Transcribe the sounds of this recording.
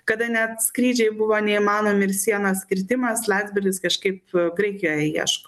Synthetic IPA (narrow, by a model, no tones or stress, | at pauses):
kɐd̪ɐnʲɛt̪skɾʲiːd͡ʒʲɛɪbʊʋoːnʲɛimɑːnoːmʲɪɪɾsʲiɛnosʲkʲɪɾʲt̪ʲɪmɐslˠɑːd̪ʲzʲbʲɪɾʲɡʲɪskɐʃkɐɪpɡɾɐɪkʲɪjoːjɛjiɛ̰ʃko